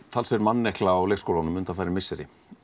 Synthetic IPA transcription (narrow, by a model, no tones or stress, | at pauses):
t̪ʰalsfɛɾmanːɛhklaːwleːkskowlanʏmʏnt̪afajɾɪmɪsːɛɾɪ̰